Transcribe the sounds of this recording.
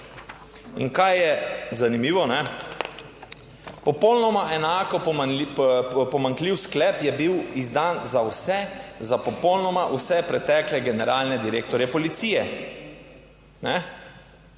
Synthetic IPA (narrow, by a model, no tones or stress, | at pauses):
ḭŋkajjɛzanimiːʋɔnɛ | pɔpɔwlnɔmaʔɛnaːkɔ | pɔmaŋkliwsklɛːpjɛbiwizd̪aːnzawsɛzapɔpɔwlnɔmaʔusɛpɾɛt̪ɛːklɛɡɛnɛɾaːlnɛd̪iɾeːkt̪ɔɾjɛpɔlit̪siːjɛ | nɛ